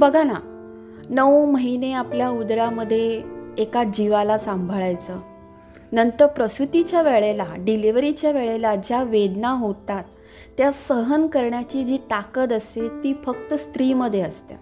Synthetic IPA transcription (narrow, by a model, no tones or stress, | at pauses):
bəɡʱana | nəwməɦineapljaud̪ɾaməd̪ʱːjeːkad͡ʑiʋalasambʱəɭajt͡səː | nənt̪əɾpɾəsɾut̪it͡ɕjaʋeɭelaɖiliʋɾit͡ɕjaʋeɭelad͡ʑjaʋed̪naɦot̪at̪ː | jasəɦənkəɾɳjat͡ɕiːd͡ʑiːt̪akət̪əset̪iːfək̚t̪əst̪ɾiːməd̪ʱːjeəst̪ja̰